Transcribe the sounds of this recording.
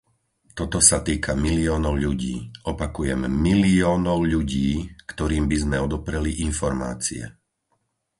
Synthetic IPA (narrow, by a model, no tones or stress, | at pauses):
t̪ɔt̪ɔsat̪iːkʰamiliɔːnɔʊʎuɟiːɔpakujɛmːiliɔːnɔʊʎuɟiːkt̪ɔɾiːmbizmɛɔd̪ɔpɾɛliʔinfɔɾma̰ːt͡sḭɛ̰